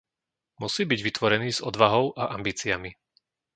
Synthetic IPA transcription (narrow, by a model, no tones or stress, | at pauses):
musiːbiɟʋit̪ʋɔɾɛniːz̥ɔd̪ʋaɦɔʊʔaʔambiːt͡siami